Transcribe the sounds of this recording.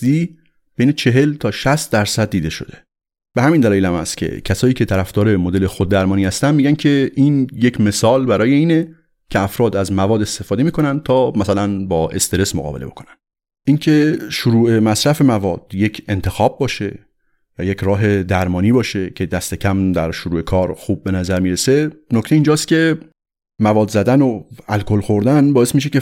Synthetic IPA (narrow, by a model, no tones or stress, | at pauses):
i | b̥ejnet͡ʃʰe̞ɦe̞lt̪ʰɒːʃæst̪̚d̪æɾsæd̪̚ːiːd̪e̞ʃo̞̰d̪e̥ | b̥ehæmind̪ælɒːjelæmhæst̪kcʰḛcʰæsɒːjiːcʰe̞t̪ʰæɾæfd̪ɒːɾe̞mod̪e̞lexod̪ːæɾmɒːniːhæst̪ænd̪miːɟæncʰe̞ʔiːnje̞cʰme̞sɒːlbæɾɒːje̞iːne | cʰeæfɾɒːd̪æzmævɒːd̪est̪e̞fɒːd̪e̞miːkʰo̞nænd̪̚t̪ʰɒːmæsælænbɒːʔe̞st̪e̞ɾe̞smoɣɒ̰ːbele̞̰bo̞̰kʰo̞̥nænd̪̥ | ʔincʰe̞ʃoɾuːʔe̞mæsɾæfe̞mævɒːd̪̥je̞cʰe̞nt̪ʰe̞xɒːb̚ːɒːʃe̞ | jɒːje̞cʰɾɒːɦe̞d̪æɾmɒːniːbɒːʃe̞cʲʰe̞d̪æst̪e̞cʰæmd̪æɾʃoɾuːe̞kʰɒːɾxub̚ːe̞næzæɾmiːɾe̞se̞nocʰt̪eiːnd͡ʒɒːst̪̚cʲe̞ | mævɒːd̪zæd̪ænoælkʰolxo̞ɾd̪ænbɒːest̪miːʃ̬e̞ce